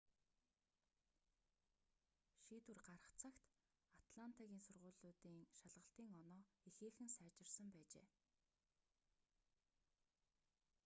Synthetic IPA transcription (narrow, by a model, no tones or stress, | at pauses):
ʃiːt̪urɢaɾə̆χt͡sʰakt̪ | at̪ɮan̥t̪ʰaɣʲiːnsʊrʁʊ̟ːɮʊːt̪iːŋʃaɮʁə̆ɬt̪iːŋɔnɔːixeːxɘ̆nsæːt͡ɕɪ̆rsə̆mpæːt͡ɕḛː